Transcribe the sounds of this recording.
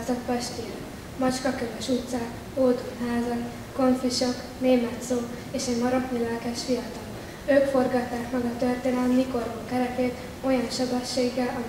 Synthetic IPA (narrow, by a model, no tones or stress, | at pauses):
zɒt̪pɛʃt̪ija | mɒt͡ʃkɒkøvøʃut̪sa | oːd̪uɦaːzɒn | ko̞ɱfiʃok | neːmɛt̪soː | eːʃɛɟmɒɾɒt̪nilɛlkɛʃfijɒt̪ɒl | øːkfo̞rɡɒt̪ːaːkmɛɡɒt̪ørt̪eːnɛlɛmːiko̞roŋkɛɾɛk̪eːt̪ | o̞jɒnʃɒbɛʃːeːɡːɛlʔɒ